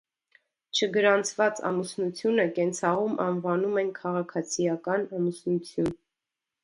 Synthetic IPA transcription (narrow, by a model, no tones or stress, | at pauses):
t͡ʃʰəɡəɾɑnt͡sʰvɑt͡sɑ̰musnut͡sʰjunəkɛnt͡sʰɑʁumʔɑ̰nvɑnumɛnkʰɑʁɑkʰɑt͡sʰijɑkɑnɑmusnut͡sʰjun